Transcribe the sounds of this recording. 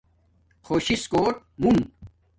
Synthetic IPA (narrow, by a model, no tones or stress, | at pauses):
xʰoːɕiskoːʈ̚ | mum